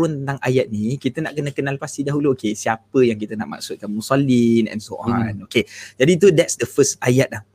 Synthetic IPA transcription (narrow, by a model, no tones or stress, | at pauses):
wənt̪ənt̪aŋa̰jat̪̚nĩkit̪ənaʔkənəkənalpast̪idaɦuluokesiapəjaŋkit̪əna̰ʔma̰ksʊt̪̚kanmusalinɛ̰̃nsoʔɔ̃noked͡ʒadit̪udɛtsdəfəst̪ajat̪̚lah